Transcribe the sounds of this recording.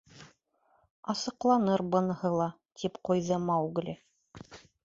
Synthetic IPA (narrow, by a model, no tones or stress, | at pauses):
ɑsɤ̆qlˠɑnɤɾbɤ̆nɤhɤlˠɑ | t̪ʰipqŏjðɤmɑwɡlʲi